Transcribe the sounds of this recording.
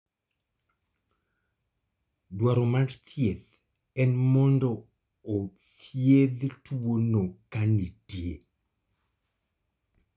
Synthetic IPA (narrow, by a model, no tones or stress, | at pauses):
dwaɾomart̪jeð | ɛnmɔndɔː | tjed̪tuwonokanitjḛ